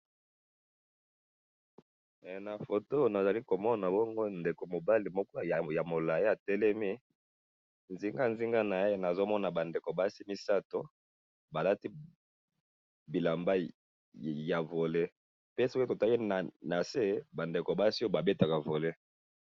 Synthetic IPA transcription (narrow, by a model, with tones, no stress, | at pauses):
ɛ˨na˨fo˨to˦˨na˨za˨li˦ko˨mɔ˦na˨bɔ˦ŋɡo˦nde˨ko˨mo˨ba˦li˨mɔ˦kɔ˦˨ja˨mo˨la˨e˦a˨tɛ˦lɛ˦mi˦ | nzi˦ŋɡa˦nzi˦ŋɡa˦na˨je˦na˨zo˦mɔ˦na˨ba˨nde˨ko˨ba˦si˦mi˦sa˦to̰˦ | ba˨la˦ti˦ | bi˨la˨mba˦ | ja˨vo˨le˦ | pe˦so˦ko˦to˨ta˦i˦n˨na˨se˦ba˨nde˨ko˨ba˦si˦o˦ba˨be˦ta˨ka˨vo˨le˦